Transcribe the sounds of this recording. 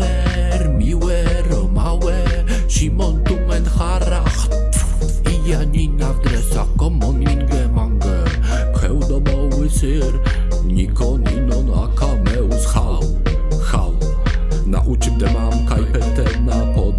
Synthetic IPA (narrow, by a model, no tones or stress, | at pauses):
ɛ | ɾmiwɛ | ɾɔmawɛ | ʃimɔnt̪uŋɛnxaɾax | ijaninavd̪ɾɛsaχkɔmɔninɡɛmaŋɡɛ | kʰɛwd̪ɔmɔwɪsɪ | ɾ | nikʰɔninɔna̰kʰamɛusxa | xaw | na̰ʔut͡ʃɪp̚d̪ɛmamkajpɛt̪ɛnapʰɔ